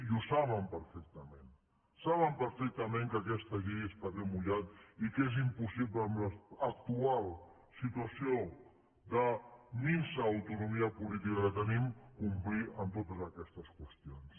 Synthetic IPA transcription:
usaβəmpəɾfɛk̚t̪əmen | saβəmpəɾfɛk̚t̪əmẽŋkəkɛst̪əʒeəsp̪at̪emuʎat̪ikez̬impusiβləːmləək̚t̪ualˠ | sit̪uəsio | d̪əninsəːwt̪unumiəpulit̪ikəkət̪ənimkumpliənt̪ot̪əzəkɛst̪əskwəst̪ions

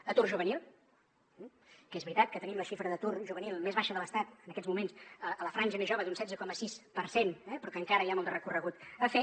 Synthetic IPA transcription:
ət̪urʒuβ̞ənil̩ˠ | kezβɾit̪at̪̚kət̪ənimləʃifɾəðət̪urʒuβənilˠmezβaʃəðələst̪at̪ənəkɛzmumensəələfɾanʲʒəmezʒoβəd̪unsɛd͡zəkɔməsispəɾsenɛpɾɔkəŋkaɾəjamɔlˠd̪ərəkurəɣut̪əfe

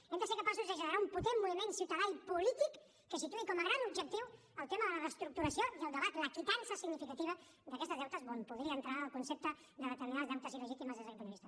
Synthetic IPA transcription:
ɛmd̪əseɾkəpasuzd̪əʒənɾaumput̪emːuβimensiwt̪əðaipulit̪ikː | əsit̪uikɔməɣɾanubd͡ʒək̚t̪iw | əlˠt̪eməðələrəst̪ɾuk̚t̪uɾəsioiəlˠd̪əβat̪ləkit̪ansəsiɡnifikət̪iβ̞ə | d̪əkɛst̪əzðɛwt̪əzonpuðɾiəːnt̪ɾaəlˠkunsep̚t̪ə | d̪əβət̪əɾminazd̪awt̪əziləʒit̪iməzðəzəpɾuβist̪ə

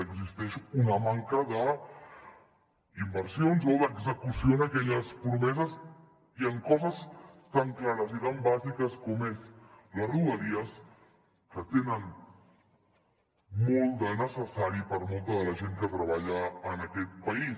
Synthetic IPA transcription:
əɡzist̪ɛʃunəmaŋkəðə | imbəɾsionzoðəɡzəkusionəkɛʎəspɾumɛzəz | iəŋkɔzəst̪aŋklaɾəzit̪ambazikəskɔmesləsruəɾiəs | kət̪enən | molˠd̪ənəsəsaɾipəɾmolˠt̪əðələʒeŋkət̪ɾəβ̞aʎəːnəkɛt̪̚pəis

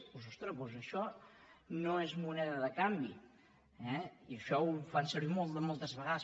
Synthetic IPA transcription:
pozɔst̪ɾəpozəʃɔ | noezmunɛðəðəkambi | ɛiəʃɔufansəɾβimɔlˠt̪d̪əmɔlˠt̪əzβəɣaðə

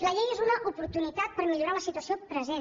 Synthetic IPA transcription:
ləʎejezunəʔupuɾt̪unit̪at̪̚pəɾmiʎuɾaləsit̪uəsiopɾəzen

